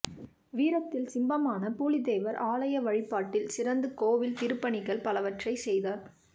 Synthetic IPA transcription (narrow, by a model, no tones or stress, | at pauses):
ʋiːɾɐt̪ːɪlsɪmbɐmaːnɐpuːlɪðeːʋɐɾaːlɐjɐʋɐɻɪpːaːʈːɪlsɪrɐnd̪ɯkoːʋɪlt̪ɪɾɯpːɐɳɪɣɐɭpɐlɐʋɐʈrɐɪsɛjðaːɾ